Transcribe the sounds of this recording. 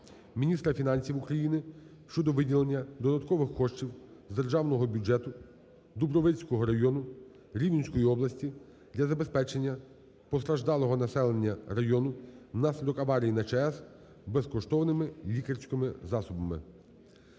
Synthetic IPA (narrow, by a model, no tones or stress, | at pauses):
mʲinʲist̪ɾɐfʲinɑnʲsʲiwukɾɐjinɪʃt͡ʃɔd̪ɔʋɪdʲilˠenʲːɐd̪ɔd̪ɐt̪kɔʋɪxːɔʃt͡ʃiwzd̪erʒɑwnɔɦɔbʲud͡ʒɛt̪ʊ | d̪ubɾɔʋɪt͡sʲkɔɦɔɾɐjɔnʊ | ɾʲiʋʲinʲsʲkɔjiɔblˠɐsʲtʲi | d̪lʲɐzɐbe̞spɛt͡ʃenʲːɐ | pɔst̪ɾɐʒd̪ɑlˠɔɦɔnɐsɛlˠenʲːɐɾɐjɔnʊnɑsʲlʲɪd̪ɔkɐʋɑɾʲijinɐt͡ʃɛɛs | bɛskɔʃt̪ɔwnɪmɪlʲikɐrʲsʲkɪmɪzɑsʊbɐmɪ̰